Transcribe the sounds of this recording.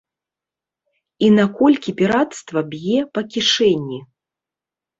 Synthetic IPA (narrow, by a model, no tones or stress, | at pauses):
inakɔlʲkʲipʲiɾat̪st̪vɐbʲjɛpɐkʲiʂɛnʲːi